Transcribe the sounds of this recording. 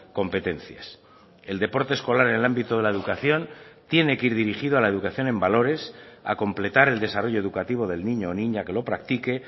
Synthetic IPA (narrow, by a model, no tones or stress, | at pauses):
ko̞mpe̞t̪e̞nθja̰s | e̞ld̪e̞po̞ɾt̪esko̞laɾene̞lambit̪oð̞e̞lae̞ðukaθjo̞nt̪je̞ne̞keiɾðiɾixiðoalae̞ð̞ukaθjo̞nẽ̞mbalo̞ɾe̞sa̰ko̞mple̞t̪aɾe̞ld̪e̞saro̞ʝoðukat̪iβ̞o̞ð̞e̞lnĩɲo̞ːnĩɲake̞lo̞pɾak̚t̪ike̞